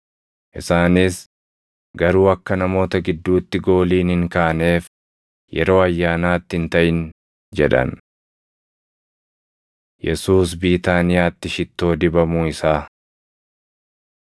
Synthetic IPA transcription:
ʔɪsaːnɪs | ɡɐɾuːɐkːɐnɐmo̞ːt̪ɐɡɪd̪ːuːt̪ːɪɡo̞ːliːnhɪŋkaːne̞ːf | jɛɾo̞ːɐjːaːnaːt̪ːɪɪnt̪ɐʔɪn | d͡ʒɛᶑɐ̰n | jɛsuːsbiːt̪aːnɪjaːt̪ːɪʃɪt̪ːo̞ːd̪ɪbɐmuːɪsaː

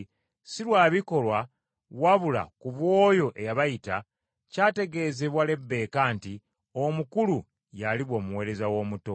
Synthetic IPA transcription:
silwaːβiko̞lwa | waβula̰kuβwo̞ːjo̞ʔe̞jaβajita | caːte̞ɡe̞ːze̞βwale̞bːe̞ːkaːnti | omukulu | jaliβwo̞ːmuwe̞ːɾe̞zawo̞ːmuto̞

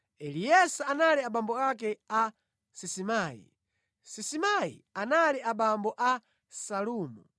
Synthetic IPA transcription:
ɛlijɛsaanaliaɓambɔakɛa | sisimaːḭ | sisimaḭanaliʔaɓambɔʔa | saluːmu

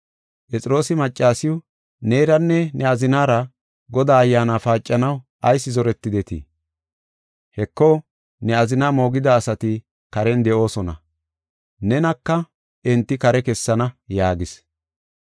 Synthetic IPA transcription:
pʼɛt͡sʼɪɾo̞ːsɪmɐt͡ʃʼːaːsɪʊ | neːɾɐnːɛnɛɐzɪnaːɾɐ | ɡɔd̪aːɐjːaːnaːfaːt͡ʃʼːɐnɐw | ʔɐjsːɪzɔɾɛt̪ːɪd̪ɛt̪ḭ | hɛkːoː | nɛɐzɪnaːmo̞ːɡɪd̪ɐːsɐt̪ɪ | kɐɾɛnd̪ɛʔo̞ːsɔnɐ̰ | nɛnɐkːɐ | ʔɛnt̪ːɪkɐɾɛkɛsːɐnɐjaːɡɪs

